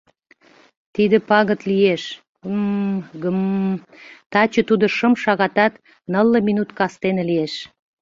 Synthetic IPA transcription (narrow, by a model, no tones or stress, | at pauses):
t̪id̪ə̆pɑɣət̪lijeʃ | mɡəm | t̪ɑt͡ɕə̆t̪ud̪oʃəmʃɑɣɑt̪ɑt̪ | nəlˠːəminut̪kɑst̪enĕlieʃ